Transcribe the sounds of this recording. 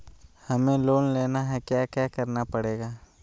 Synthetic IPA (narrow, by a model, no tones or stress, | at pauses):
hɐmẽloːnleːnaɦɛkjaːkjaːkɐɾnapɐɽeːɡaː